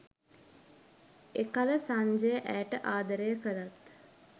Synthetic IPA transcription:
ekaləsaɲd͡ʒəjəʔæʈəʔaːd̪əɾəjəkəlat̪

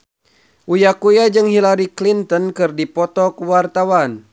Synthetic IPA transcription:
ʔujakujad͡ʒɨŋhilaɾiklint̪ɔnkɨrdipɔt̪ɔkwart̪awan

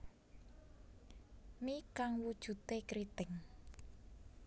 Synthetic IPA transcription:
mikaŋwud̥ʒ̥ṳt̪ekɾit̪ɪŋ

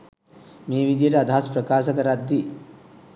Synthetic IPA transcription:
meːʋid̪jeɾɐd̪ʱaːspɾɐkaːʃɐkɐɾad̪ːi

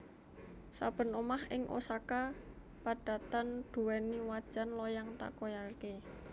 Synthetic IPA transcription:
sab̥ə̤nomahɪŋʔo̰saka | paɖ̥a̤t̪and̪̥ṳwɛniwad̥ʒ̥anlɔjaŋt̪a̰kojake

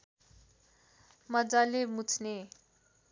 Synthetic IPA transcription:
mʌd͡zalemut͡sʰne

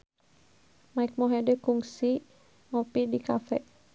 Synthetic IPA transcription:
maik̚mɔɦɛdəkuŋsi | mɔpidikafɛʔ

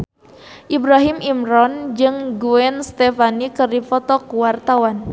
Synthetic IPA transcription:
ʔibɾaɦimimɾɔnd͡ʒɨŋɡuɛnst̪efanikərdifɔt̪ɔkuwart̪awan

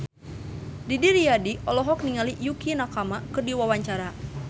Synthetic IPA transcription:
didiɾijadiʔɔlɔɦɔk̚niŋalijukinakamakɨrdiwawaɲt͡ʃaɾa

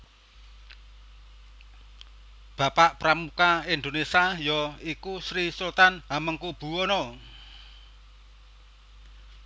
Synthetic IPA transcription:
b̥a̤paʔpɾamukaind̪onesiajɔikusɾisult̪anaməŋkub̥ṳonɔ

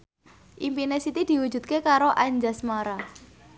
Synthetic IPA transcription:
ʔimpinesit̪id̪̥i̤wu̥d͡ʒ̥ṳt̪̚kekaɾoʔaɲd͡ʒasmaɾa

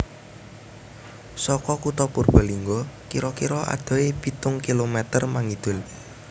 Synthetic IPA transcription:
sɔkɔkut̪ɔpurb̥a̤liŋɡɔkiɾɔkiɾɔʔa̰d̪̥ɔ̤epit̪ʊŋkilomɛt̪ərmaŋid̪̥ʊ̤l

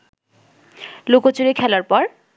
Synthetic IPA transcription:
lokot͡ɕuɾekʰɛlaɾpɔɾ

